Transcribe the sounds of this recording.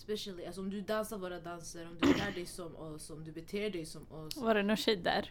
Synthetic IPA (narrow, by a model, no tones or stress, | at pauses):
spɛʃəlˠiasɔɔmd̪ʉd̪ansəɾʋoːɾad̪ansəɾɔmd̪ʉlæːɖɛɪsɔmɔsɔmd̪ʉbɛt̪ʰeːɖɛɪsɔmɔʋɑɖɛnuʃɛd̪ːæ̰ɾ